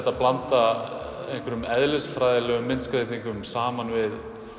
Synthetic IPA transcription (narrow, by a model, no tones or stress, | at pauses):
t̪ːaplant̪a | ejŋkvɛɾʏmɛðlɪsfɾaːjðɪlœːɣʏmːɪnt̪skɾeːjt̪iŋkʏmsaːmanvɪð